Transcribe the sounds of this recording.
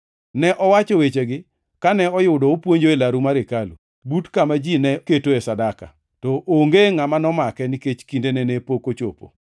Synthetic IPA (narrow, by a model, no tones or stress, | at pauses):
nɛʔɔwat͡ʃɔwet͡ʃeɡɪ | kanɛɔjʊdɔopwoɲd͡ʒoelaɾumaɾekalṵ | butkamad͡ʒinɛketoɛsadaka̰ | tɔʔoŋɡeŋamanɔmakɛniket͡ʃkindenɛnɛpokot͡ʃo̰po̰